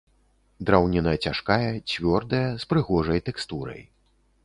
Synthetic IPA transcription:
d̪ɾawnʲinɐjɐt͡sʲaʂkajɐt͡sʲvʲɔrd̪ɐjɐspɾɨɣɔʐɐjt̪ɛkst̪uɾɐ̰j

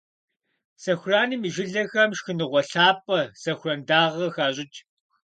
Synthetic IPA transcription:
sɐxʷʊraːniːmɨʒɪɮɐxɐmʃxɨnɨʁʷɔɬaːpʼɐsɐxʷʊrɐndaːʁɐxaːɕʼɪt͡ʃʼ

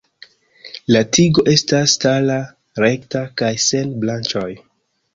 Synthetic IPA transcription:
latiɡo̞ʔe̞stastala | ɾe̞ktakajse̞nblant͡ʃoj

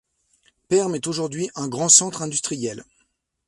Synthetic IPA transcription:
pɛʁmɛt̪oʒuʁd̪ɥiʔɛ̃ɡʁɑ̃sɑ̃t̪χɛ̃d̪yst̪χijɛl

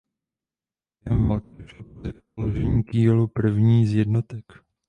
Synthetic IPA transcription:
jɛmat̪ɛɾɛpod | oloʒɛɲiːkiːlupr̩vɲiːzjɛdnot̪ɛk

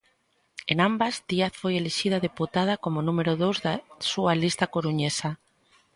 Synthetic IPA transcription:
enambazd̪iaθfojeleʃið̞aðeput̪að̞akomonũmeɾoðowzðasualist̪akoɾuɲesa

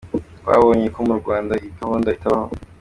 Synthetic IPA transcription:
wa̰βoːɲeko̞muɾɡwaːndaitaβoːndaitaβaho

